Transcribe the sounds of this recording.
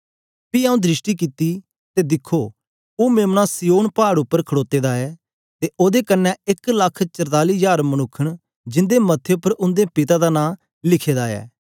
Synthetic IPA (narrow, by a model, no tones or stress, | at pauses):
piːãːũd̪ɾɪʃʈiːkit̪ːiː | t̪eːd̪ɪkʰːoː | oːmeːmnasijoːnpaːɽʊpːəɾkʰəɽoːt̪eːd̪aːɛː | t̪eːʔoːd̪eːkənːɛ̃ɪkləkʰt͡ʃəɾt̪aːliːjaːɾmənʊkʰːəɽ | d͡ʒɪ̃nd̪eːmət̪ʰːeʊpːəɾʊ̃nd̪eːpɪt̪aːd̪aːnãː | lɪkʰeːd̪aːɛ̰ː